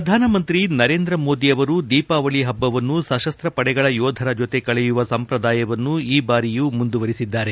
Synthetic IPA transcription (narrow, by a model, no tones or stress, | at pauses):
ɐd̪ʱaːnɐmɐnt̪ɾinɐɾe̞ːnd̪ɾɐmo̞ːd̪iɐʋɐɾud̪iːpaːʋɐɭiɦɐbːɐʋɐnːusɐʃɐst̪ɾɐpɐɽɛɡɐɭɐjɔːd̪ʱɐɾɐd͡ʒot̪e̞kɐɭɛjuʋɐsɐmpɾɐd̪aːjɐʋɐnːuiːbaːɾijumund̪uʋɐɾisid̪ːaːɾe̞